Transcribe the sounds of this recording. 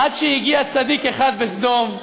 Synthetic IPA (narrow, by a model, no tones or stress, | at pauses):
ʔad̪ʃejiɡiat͡sad̪ikeχad̪besd̪o̞m